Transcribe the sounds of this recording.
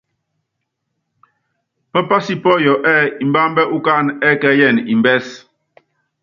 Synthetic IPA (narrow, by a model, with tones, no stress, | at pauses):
pɛ˦pa˦si˦pɔ˦jɔ˨ʔɛː˦˨i˨m˨ba˦m˦bɛ˦ʔu˦ka˦˨nɛ˦kɛ˨jɛ˦˨ni˨mbɛ˦s